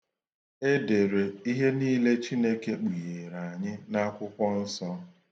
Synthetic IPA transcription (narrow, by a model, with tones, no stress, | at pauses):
e˦de˨ɾe˨i˦ɦe˦niː˦le˦t͡ʃi˦ne˦ke˦k͡pi˨je˨ɾa˨a˨ɲɪ˦na˦kʷʊ˦kʷɔ˦n̩˦sɔ˦